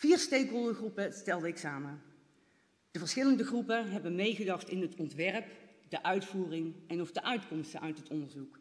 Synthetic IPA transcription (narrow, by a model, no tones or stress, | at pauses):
v̥iːɹstejkɦolˠdəχrupəstɛlˠdəɪksaːmə | d̥əvəɹsχɪləndəɣrupəɦɛbənmejɣədɑχtɪnɦətɔntʋɛɹpdəʔœɥtfuːrɪŋʔɛnɔfdəʔœɥtkɔmstəʔœɥtɦətɔndəɹzuk